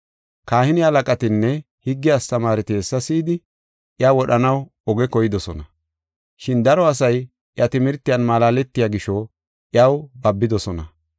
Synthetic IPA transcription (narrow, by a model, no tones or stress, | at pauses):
kaːhɪnɪhɐlɐkʼɐt̪ɪnːɛ | hɪɡːɪjast̪ɐmaːɾɪt̪eːsːɐsiːd̪ɪ | ʔjawɔɗɐnɐw | ɔɡɛkɔjɪd̪ɔsɔnɐ | ʃɪnd̪ɐɾɔɐsɐj | ʔjɐt̪ɪmɪɾt̪ːɪjɐnmaːlaːlɛt̪ːɪjaːɡɪʃɔ | ʔɪɐwbɐbːɪd̪ɔsɔnɐ